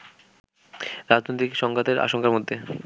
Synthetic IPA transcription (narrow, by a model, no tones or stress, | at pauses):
ɾad͡ʑnojt̪ikʃɔŋɡat̪eɾʔa̰ʃoŋkaɾmod̪ʱːe